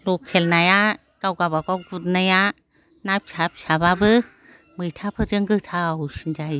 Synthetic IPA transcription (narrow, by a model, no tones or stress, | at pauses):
lɔkʰːelnaja | kawɡabakɔwɡut̚naja | nap̚sʰap̚sababɯ | mɯjtʰapʰɯd͡ʒɯŋɡɯtʰawsind͡ʒaj